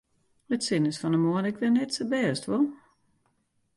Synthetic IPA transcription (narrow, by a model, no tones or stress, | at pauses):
ətsɪnəsfɔnəmoənɪkʋɪnɛtsəbɛːəstʋɔlˠ